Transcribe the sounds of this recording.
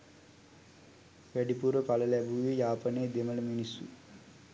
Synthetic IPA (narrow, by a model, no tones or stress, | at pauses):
ʋæɖipuɾəpalɐlæbuʋejaːpəneːd̪emələminisːṵ